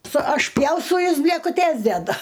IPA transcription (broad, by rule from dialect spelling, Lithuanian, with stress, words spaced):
sʊ ɐʃʲˈpʲjɛʊstɐʊ ˈjɛs bʲlʲeːkʊˈtʲeːs dʲɛˈdʊ